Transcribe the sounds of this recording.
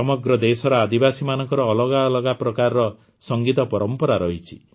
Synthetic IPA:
ɔmɔɡɾɔd̪esɔɾɔad̪ibasimanɔŋkɔɾɔːlɔɡaɔlɔɡapɾɔkaɾɔɾɔ | sɔŋɡit̪ɔpɔɾɔmpɔɾaɾɔɦit͡ʃʰi

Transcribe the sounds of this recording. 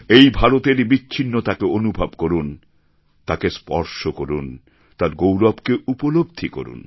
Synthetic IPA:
ejbʱaɾot̪eɾbiːɕʰinːot̪akeonubʱabkoɾun | t̪akespɔ̰ɾʃokoɾun | t̪aɾɡowɾɔbkeʔupolob̚d̪ʱiko̰ɾṵn

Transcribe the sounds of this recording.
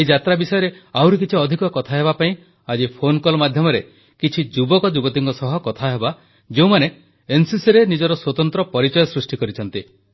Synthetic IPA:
eid͡ʒat̪ɾabisɔjɔɾeawɾik̬it͡ʃʰiɔd̪ʱikɔkɔt̪ʰaɦebapaĩ | ad͡ʒipʰonkɔlmad̪ʱjɔmɔɾe | kit͡ʃʰid͡ʒubɔkɔd͡ʒubɔt̪iŋkɔsɔɦɔkɔt̪ʰaɦeba | d͡ʒeũmane | ensisiɾenid͡ʒɔɾɔswɔt̪ɔnt̪ɾɔpɔɾit͡ʃɔjɔsɾusʈikɔɾit͡ʃʰɔnt̪i

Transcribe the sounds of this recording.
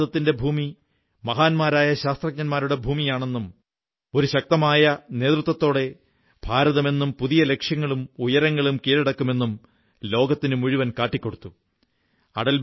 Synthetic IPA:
ðɐt̪ːinde̞bʱuːmi | mɐɦaːnmaːɾaːjɐɕaːst̪rɐk̚ɲɐnmaːɾuɽe̞bʱuːmijaːɳe̞nːum | o̞ɾuɕɐk̚t̪ɐmaːjɐne̞ːt̪rut̪ːʋɐt̪ːo̞ːɽe̞ | bʱaːɾɐðɐme̞nːumpuðijɐle̞kʂjɐŋːɐɭumujɐɾɐŋːɐɭumkiːɾɐɽɐkːume̞nːum | lo̞ːɡɐt̪ːinɨmuɻuʋɐnkaːʈːikʲːo̞ɽut̪ːu | ɐ̰ɽɐl

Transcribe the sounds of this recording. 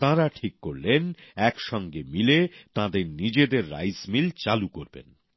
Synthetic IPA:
t̪ãɾaʈʰikːoɾlenɛkʃɔŋɡemilet̪ãd̪eɾnid͡ʑed̪eɾːa̰jzmilt͡ɕalukoɾbḛn

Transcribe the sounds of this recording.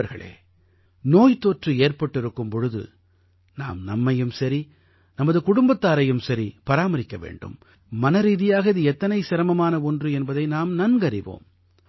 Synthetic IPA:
ɐɾɣɐɭḛː | noːjt̪oːʈrɯeːɾpɐʈːɪɾɯkːɯmpɔɻɯðɯ̰ | na̰ːmnɐmːɐjɯmsɐɾi | nɐmɐðɯkʊɽʊmbɐt̪ːaːɾɐjɯmsɐɾipɐɾaːmɐɾɪkːɐʋḛːɳɖɯ̰mː | ɐnɐɾiːðɪjaːɣɐðɯɛt̪ːɐnɐɪsɪɾɐmɐmaːnɐɔndrɯɛnbɐðɐɪnaːmnɐnɡɐɾɪʋo̰ːm

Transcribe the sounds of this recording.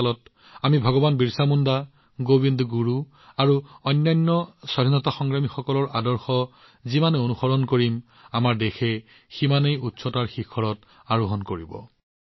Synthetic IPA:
lɔt | amibʱɔɡɔbanbiɹsamunda | ɡobindɡuɹu | aɹuɔjnːajnːɔsadʱinɔtaxɔŋɹamixɔkɔlɔɹadɔɹxɔ | zimaneonuxɔɹɔnkoɹim | amaɹdexʰɛ | ximanejutsɔtaɹxikʰɔɹɔt | aɹuɦɔnkoɹibɔ̰

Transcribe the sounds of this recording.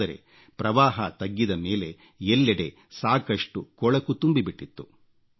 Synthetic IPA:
ɐɾe̞̰ | pɾɐʋaːɦɐt̪ɐɡːid̪ɐme̞ːle̞ | elːɛɽe̞ | saːkɐʂʈukɔɭɐkːut̪umbibiʈːit̪ːu

